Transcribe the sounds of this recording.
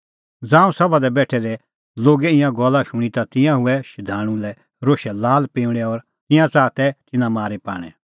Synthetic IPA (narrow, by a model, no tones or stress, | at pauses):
d͡zãːũsɐbad̪ɛbɛːʈʰɛlɛ | loːɡɛɪ̃jãɡɔlaʃʊɽ̃it̪at̪ɪ̃jãɦʊɛʃɪd̪ʱaːɽ̃ũlɛ | ɾoːʃɛlaːlpĩːʊɽ̃ɛɔɾ | t̪ɪ̃jãt͡saːt̪ɛt̪ɪnãmaːɾepa̰ːɽ̃ɛ̰